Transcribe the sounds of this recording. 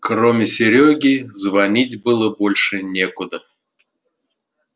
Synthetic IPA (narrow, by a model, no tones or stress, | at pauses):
kromʲɪsʲɪɾʲoɡʲizvɐnʲitʲbɨlˠəbolʲʂɨnʲekʊd̪ə